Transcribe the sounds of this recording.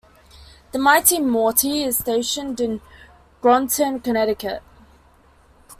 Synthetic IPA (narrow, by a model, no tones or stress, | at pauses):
ðəmaɪtimɔːˑtʰiɪz̥steɪʃə̃ndɪ̃n | ɡ̥ɹɔ̃ntʰə̃nkənɛɾɪkə̰ʔ